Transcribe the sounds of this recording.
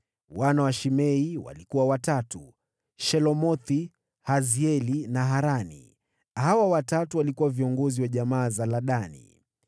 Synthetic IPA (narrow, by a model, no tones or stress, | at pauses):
wanawaʃimɛiwa̰likuwawatatu | ʃɛlɔmɔθi | haziɛlinaɦaɾanḭ | hawawatatuwalikuwaviɔŋɡɔziwaʄamaːzalaɗanḭ